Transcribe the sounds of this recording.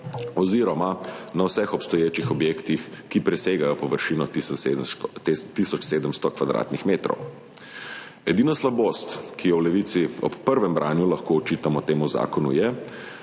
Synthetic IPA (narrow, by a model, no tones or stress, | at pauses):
ɔziːɾɔmanawsɛxɔpst̪ɔjeːt͡ʃixɔbjekt̪ixkipɾɛseːɡajɔpɔʋəɾʃiːnɔti | t̪isɔt͡ʃseːd̪əmst̪ɔkʋad̪ɾa̰t̪nixmeːt̪ɾɔ̰w | ɛd̪iːnaslaboːst̪kijɔwlɛʋit̪siɔpːəɾʋɛmbɾʔaːnjulɐxkoːt͡ʃit̪amɔt̪eːmuza̰ːkɔnṵjɛ